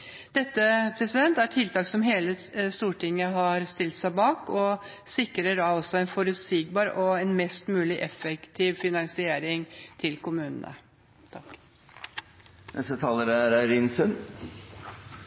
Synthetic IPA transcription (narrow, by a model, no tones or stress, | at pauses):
d̪̥ɛt̪ːəpʰɾɛsɪd̪ɛnt̪æʈʰɪlt̪ɑːksɔmɦeːləst̪uːʈɪŋːəɦɑɾst̪ɪlt̪sæɪbɑːkɔ | sɪkɾəɖɑɔsɔɛnfɔɾʉt̪siːɡ̚bɑːɾɔɛnmɛst̪mʉːlɪʔɛfɛkt̪ʰiːʋfɪnɑŋsɪeːɾɪŋt̪ʰɪlkʊmʉːnə̰nə̰ | t̪ʰɑk | nɛ̰st̪ət̪ʰɑːləɾəæɾæɾinsʉn